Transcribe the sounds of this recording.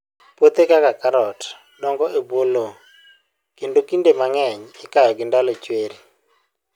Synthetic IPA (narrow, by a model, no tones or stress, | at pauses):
pot̪ekakakaɾɔt | dɔŋɡɔʔebwolo | kendokindemaŋɛɲɪkajɔɡɪndalot͡ʃweɾi